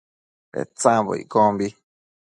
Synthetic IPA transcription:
ɾḛt͡sãbo̰ḭkombi

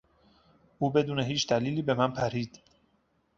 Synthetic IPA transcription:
ʔuːbe̞d̪uːneɦiːt͡ʃd̪æliːliːbe̞mænpʰæɾiːd̪̥

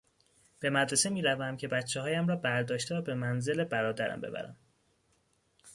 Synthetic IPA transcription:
b̥e̞mæd̪ɾe̞se̞miːɾævæmcʰe̞bæt̪t͡ʃʰːehɒːjæmɾɒːbæɾd̪ɒːʃt̪evæbe̞mænze̞lebæɾɒːd̪æɾæ̰mbe̞̰bæ̰ɾæ̰m

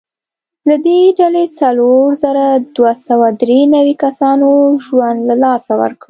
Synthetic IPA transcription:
lad̪eɖalet͡saloɾzəɾad̪wasawad̪ɾenawikasɑnoʒwand̪lalɑsawə̰ɾkɽi

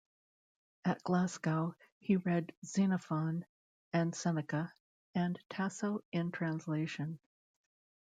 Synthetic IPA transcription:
ɨt̚ɡ̥læskaʊ | hiɹɛdz̥ĩnəfɑ̃n | ɨ̃nsɛnɨkə | ɨ̃ntʰæsoʊɪ̃ntʰɹ̥æ̃nsleɪʃɨ̃n

